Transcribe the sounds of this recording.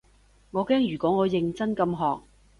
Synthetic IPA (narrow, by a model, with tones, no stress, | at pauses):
ŋɔː˨˧kɛː˥ŋjyː˨˩kʷɔː˨˥ŋɔː˨˧jɪ˨˧ŋt͡sɐ˥nkɐ˧mɦɔː˨k̚